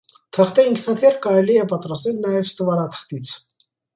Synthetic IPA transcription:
t̪ʰəχt̪ɛiŋkʰnɑt̪ʰɛɾkɑɾɛliɛpɑt̪ɾɑst̪ɛlnɑjɛvst̪əvɑɾat̪ʰə̥χt̪it͡sʰ

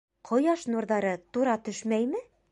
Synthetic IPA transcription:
qʰŏjɑʃnuɾðɑɾɤt̪uɾɑt̪ɵʃmæjmɘ

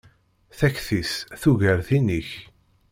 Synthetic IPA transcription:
θæçθisθuʝəɾθiniç

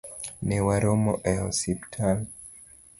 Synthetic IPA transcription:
nɛwaɾɔmɔʔɛɔsiptʰal

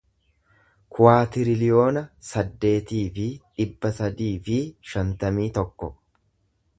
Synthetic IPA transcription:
kʰʊwaːt̪ɪɾɪlɪjo̞ːnɐsɐd̪ːe̞ːt̪iːfɪᶑɪbːɐsɐd̪iːfɪʃɐnt̪ɐmiːt̪ɔkːɔ

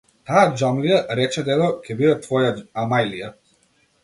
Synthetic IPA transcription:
t̪aad͡ʒamlijaɾɛt͡ʃɛd̪ɛd̪ɔkʲʰɛbid̪ɛt̪vɔjaamajlija

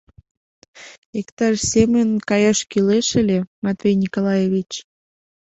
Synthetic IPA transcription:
ekt̪ɑʃsʲemənkɑjɑʃkileʃelʲemat̪vʲejnʲikolɑjeβʲit͡ɕ

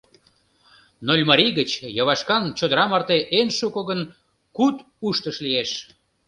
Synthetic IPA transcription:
nolʲmɑɾʲiɣət͡ɕjɑβɑʃkɑnt͡ɕod̪əɾɑmɑrt̪eʔenʃukoɣən | kut̪ | uʃt̪əʃlieʃ

